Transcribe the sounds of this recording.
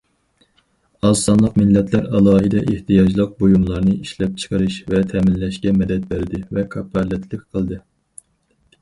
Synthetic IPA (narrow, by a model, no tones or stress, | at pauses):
ɑsɑnlˠəqmɪlːɛt̪ʰlæɾɑlˠɑːɦɨd̪ɛʔeht̪ʰijɑd͡ʒlˠəq̚bojumlˠɑɾnɨiʃlɛp̚t͡ʃʰə̥qʰəɾɨʃvɛt̪ʰɛmɪnlɛʃkʲɛmɛd̪ɛt̪̚bæɾɪd̪ɪvɛkʰɑpːɑlˠɛt̪ʰlɪkʲqʰəlˠd̪ɨ